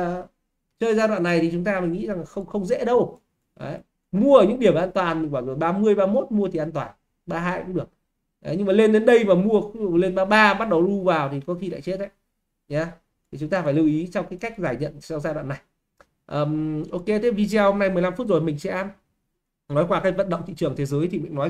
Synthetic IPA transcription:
t͡ɕəː˧jzaː˧ɗwa̰ː˧˨nːa˨˩jt̪i˨˩t͡ɕʊ˨˦ŋ͡mt̪aː˧ma˨˩ŋḭ˧˥za˨˩ŋla˨˩xə˧wŋ͡mxə˧wŋ͡mzɛ̰˧˥ɗə˧w | ʔəː˨˦ | mu˧əʔəː˧˩ɲɨ̰˧˥ɗi˧˩əm˨ʔaː˧nt̪waː˨˩nmi˨˩ŋ̟ɓaː˧˩˨ɗɨ˨˩k̚ɓaː˧mɨ˧əjɓaː˧mo˦˥t̚mu˧ət̪ʰi˨˩ʔaː˧nt̪waː˨˩n | ɓaː˧ɦa̰ː˧jɗɨ˨˩ək̚ | ʔɲɨ˧ŋmaː˨˩le˧nɗe˨˦nɗə˧jmaː˨˩mu˧ə˧˦˨le˧nɓaː˧ɓaː˧˨ɓa˦˥t̚ɗə˨˩wɗu˧vaː˨˩wt̪ʰi˨˩kɔ˨˦xi˧la̰ː˧˨t͡ɕe˦˥t̚ʔə̰˧˦j | ɲaː˨˧ | t̪ʰi˨˩t͡ɕʊ˨˦ŋ͡mt̪aː˧faː˧˩jli˧wʔi˨˦t͡ɕɔ˧wŋ͡mkaː˨˦jka˦˥k̚zaː˧˩jɲə̰˧˨nsɔ˧wŋ͡mzaː˧ɗwa̰ː˧˨nːa˨˩j | ʔəː˨˩mʔo˧ke˧t̪ʰe˦˥vi˧zi˧a˧ho˧mna˧jmɨ˨əjla˧mfu˦˥t̚zo˨˩jmï˨˩ŋ̟sɛ̰˧˥ | nɔ˨˦jkwaː˧kaː˨˦˥jvə̰˧˨nɗə̰˧˨ŋ͡mt̪ḭ˧˨t͡ɕɨ˧˩əŋt̪ʰe˨˦zəː˨˦jt̪ʰi˨mï˨˩ŋ̟nɔ˨˦

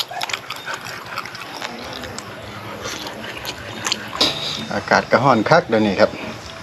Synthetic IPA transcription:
ʔa̰ː˧˩kaː˨˩t̪̚ka˧˩ɦɔː˧˥˩nkʰa˦˥˩k̚daː˧niː˧˩kʰa˦˥p̚

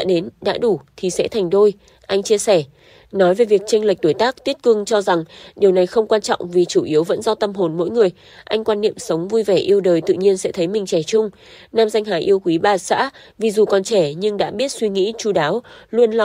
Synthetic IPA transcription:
a̰ː˧˥ɗe˨˦nɗa̰ː˧˥ɗu˧˩t̪ʰi˨˩sɛ̰˧˥t̪ʰa˨˩jŋ̟ɗo˧j | ʔa˧jŋ̟t͡ɕi˧əsɛ˧˩ | nɔ˨˦jve˨˩vi˨˩ək̚t͡ɕa˧ŋ̟lə˨˩k̟̚ɗ̪o˧˩jt̪aː˦˥k̚t̪i˦˥ət̚kɨ˧ŋt͡ɕɔ˧za˨˩ŋɗi˨˩əwna˨˩jxə˧wŋ͡mkwaː˧nt͡ɕɔ̰˧˨wŋ͡mvi˨˩t͡ɕu˧˩ʔi˨˦əwvə̰˧˥nzɔ˧t̪ə˧mɦo˨˩nmo̰˧˥jŋɨ˨˩əj | ʔa˧jŋ̟kwaː˧nːḭ˧˨əmsə˨˦wŋ͡mvu˧jvɛ˧˩ʔi˧əwɗəː˨˩jt̪ɨ̰˧˨ɲi˧ənsɛ̰˧˥t̪ʰə˨˦jmï˨˩ŋ̟t͡ɕɛ˧˩t͡ɕʊ˧ŋ͡m | naː˧mza˧jŋɦaː˨˩jʔi˧əwkwi˨˦ɓaː˨˩sa̰ː˧˥ | vi˨˩zu˨˩kɔ˨˩nt͡ɕɛ˧˩ɲɨ˧ŋɗa̰ː˧˥ɓi˦˥ət̚swi˧ŋḭ˧˥t͡ɕu˧˩ɗaː˨˦wlu˧ənl

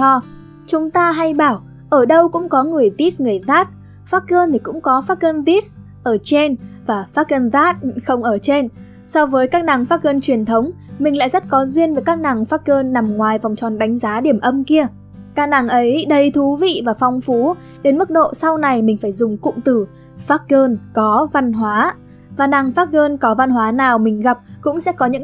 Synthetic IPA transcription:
ɔ˧ | t͡ɕʊ˨˦ŋ͡mt̪aː˧ɦa˧jɓaː˧˩w | ʔəː˧˩ɗə˧wkʊ̰˧˥ŋ͡mkɔ˨˦ŋɨ˨˩əjt̪i˦˥sŋɨ˨˩əjðaː˦˥t̚ | faː˦˥t̚kəː˧nt̪ʰi˨˩kʊ̰˧˥ŋ͡mkɔ˨˦faː˦˥t̚kəː˧nt̪i˦˥s | ʔəː˧˩t͡ɕe˧nvaː˨˩faː˦˥k̚kəː˧nðaː˦˥t̚xə˧wŋ͡mʔəː˧˩t͡ɕe˧n | sɔ˧vəː˨˦jkaː˦˥k̚na˨˩ŋfaː˦˥t̚kəː˧nt͡ɕwi˨˩ənt̪ʰə˨˦wŋ͡m | mï˨˩ŋ̟la̰ː˧˨jzə˦˥t̚kɔ˨˦zwi˧ənvəː˨˩˦jkaː˦˥k̚na˨˩ŋfaː˦˥t̚kəː˧nːa˨˩mŋwaː˨˩jva˨˩wŋ͡mt͡ɕɔ˨˩nɗa˨˦jŋ̟zaː˨˦ɗi˧˩əmʔə˧mki˧ə | kaː˦˥k̚na˨˩ŋʔə˨˦jɗə˧jt̪ʰu˨˦vḭ˧˨vaː˨˩fɔ˧wŋ͡mfu˨˦ | ɗe˨˦nmɨ˦˥k̚ɗo̰˧˨sa˧wna˨˩jmï˨˩ŋ̟faː˧˩jzʊ˨˩ŋ͡mkʊ̰˧˨ŋ͡mt̪ɨ˨˩ | faː˦˥t̚kəː˧nkɔ˨˦va˧nɦwaː˨˦ | vaː˨˩na˨˩ŋfaː˦˥t̚kəː˧nkɔ˨˦va˧nɦwaː˨˦naː˨˩wmï˨˩ŋ̟ɣa˨˩p̚kʊ̰˧˥ŋ͡msɛ̰˧˥kɔ˨˦ɲɨ̰˧˥

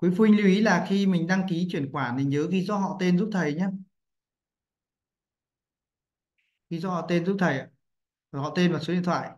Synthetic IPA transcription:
kwi˨˦fu˧i˧ŋli˧wʔi˨˦laː˨˩xi˧mï˨˩ŋ̟ɗa˧ŋki˨˦t͡ɕwi˧˩ənkwaː˧˩ne˨˩ɲəː˨˦ɣi˨˦zɔ˧ɦɔ̰˧˨t̪e˧nzu˦˥p̚t̪ʰə˨˩jɲaː˧ | ɣi˨˦zɔ˧hɔ̰˧˨t̪e˧nzu˦˥p̚t̪ʰə˨˩ja˨˩˦ | hɔ̰˧˨t̪e˧nma˨˩so˨˦ḭ˧˨t̪ʰwa̰ː˧˨j

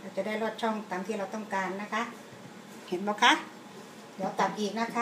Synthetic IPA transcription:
la˧˩wt͡ɕa˨˩˦da˥˩jlɔː˧˩t̪̚t͡ɕʰɔ˧˥˩ŋt̪aː˨mt̪ʰiː˧˨ɾa˧wt̪ɔ˥˩ŋkaː˨nːa˧˥kʰa˦˥ʔ | he˨˦nbɔː˧˦kʰa˧˥ | jɔː˨˧˦t̪a˨˧˩p̚ʔiː˨˩k̚na˦˥˩kʰa˧˦˥

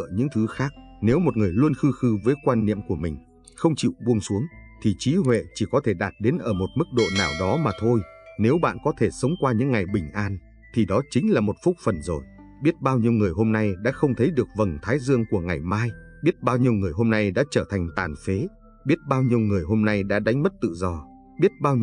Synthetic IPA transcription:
ɲɨ̰˧˥ŋt̪ʰɨ˨˦xaː˦˥k̚ne˨˦wmo˨˩t̚ŋɨ˨˩əjlu˧ənxɨ˧xɨ˧vəː˨˦jkwaː˧nːḭ˧˨əmku˧˩əmï˨˩ŋ̟ | xə˧wŋ͡mt͡ɕḭ˧˨wɓu˧əŋsu˨˦əŋt̪ʰi˨˩t͡ɕi˨˦ɦwḛ˧˨t͡ɕi˧˩kɔ˨˦t̪ʰe˧˩ɗaː˨˩t̚ɗe˨˦nʔəː˧˩mo˨˩t̚mɨ˦˥k̚ɗo̰˧˨naː˨˩wɗɔ˨˦maː˨˩t̪ʰo˧jne˨˦wɓa̰ː˧˨nkɔ˨˦t̪ʰe˧˩sə˨˦wŋ͡mkwaː˧ɲɨ̰˧˥ŋːa˨˩jɓï˨˩ŋ̟ʔaː˧n | t̪ʰi˨˩ɗɔ˨˦t͡ɕï˨˦ŋ̟laː˨˩mo˨˩t̚fʊ˦˥k͡p̚fə˨˩nzo˨˩j | ɓi˦˥ət̚ɓaː˧wɲi˧əwŋɨ˨˩əjɦo˧mna˧jɗa̰ː˧˥xə˧wŋ͡mt̪ʰə˨˦jɗɨ˨˩ək̚və˨˩nt̪ʰaː˨˦jzɨ˧əŋku˧˩əŋa˨˩jmaː˧j | ɓi˦˥ət̚ɓaː˧wɲi˧əwŋɨ˨˩əjɦo˧mna˧jɗa̰ː˧˥t͡ɕəː˧˩t̪ʰa˨˩jŋ̟t̪aː˨˩nfe˨˦ | ɓi˦˥ət̚ɓaː˧wɲi˧əwŋɨ˨˩əjɦo˧mna˧jɗa̰ː˧˥ɗa˨˦jŋ̟mə˦˥t̚t̪ɨ̰˧˨zɔ˧ | ɓi˦˥ət̚ɓaː˧w

